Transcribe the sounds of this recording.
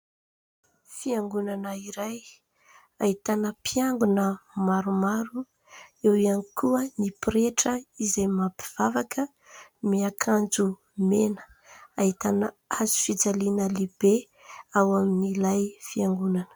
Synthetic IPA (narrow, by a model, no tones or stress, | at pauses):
fiaŋɡunanəiɾaj | aɦit̪anəpʰiaŋɡunəmaɾumaɾu | ewianikʰuənipiɾeʈ͡ʂəizajmapi̥v̥avakə | miakʰand͡zu | menə̥ | aɦit̪anə | azu̥fid͡zalinəleb̥e | awaminilajfiaŋɡunanə̥